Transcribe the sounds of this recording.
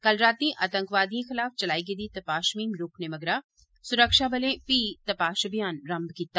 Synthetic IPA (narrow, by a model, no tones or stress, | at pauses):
kɐlɾaːt̪ĩʔat̪ɐ̃ŋkʋaːd̪ijẽxɪlaːft͡ʃɐlaːiɡed̪it̪ɐpaːʃmĩːmɾoːknemɐɡɾa | sʊɾəkʃabɐlẽpiːt̪ɐpaːʃɐbʱijaːnɾɐmbkit̪ːa